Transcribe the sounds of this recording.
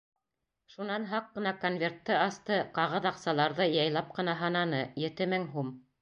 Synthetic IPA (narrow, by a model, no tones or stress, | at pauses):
ʃunɑnɦɑqːɤ̆nɑkonvʲe̞rt̪ːɤɑst̪ɤqɑʁɤðɑqsɑlˠɑɾðɤjɑjlˠɑp̚qɤ̆nɑɦɑnɑnɤjɘ̆t̪ɘ̆mɘŋɦum